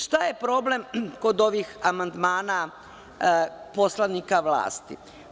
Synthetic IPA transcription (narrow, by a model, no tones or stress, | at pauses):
ʃt̪aje̞pɾo̞ble̞mko̞d̪o̞ʋixamand̪maːna | po̞slaʋnikaʋlˠa̰ːst̪ḭ